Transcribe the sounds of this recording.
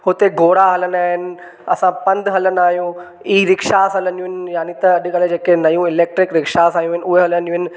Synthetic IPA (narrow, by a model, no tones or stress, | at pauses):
hʊt̪eɡoːɾaɦɐlənaːɦɪnɪ̆ | ɐsãpɐ̃nd̪ɦɐlənaːɦjũ | iːɾɪkʃaːsɦɐlə̃njũɦɪnɪjaːnit̪ɐɐɗkɐled͡ʑeːkenɐjũɪleːk̚ʈɾɪkɾɪkʃaːsaːɦjũɦɪnʊɦeɦɐlənd͡ʒũɦɪnɪ̆